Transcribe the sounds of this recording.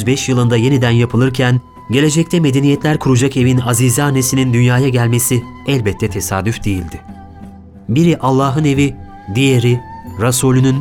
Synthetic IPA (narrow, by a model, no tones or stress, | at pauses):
yzbɛʃjɯlˠɯnd̪aje̞nid̪ænjapʰɯlˠɯɾcʰæn | ɟe̞lʲe̞d͡ʒɛc̚t̪ʰɛme̞d̪e̞nijɛt̪lʲæɾkʰuɾud͡ʒake̞vinazizanːe̞sinind̪ynjaːjaɟælʲme̞siɛlʲbɛt̪ʰːɛt̪ʰe̞saːd̪yfd̪e̞jilʲd̪ɪ | biɾiʔalˠːaːɦɯne̞vi | d̪ijeɾiɾasuːlʲynyn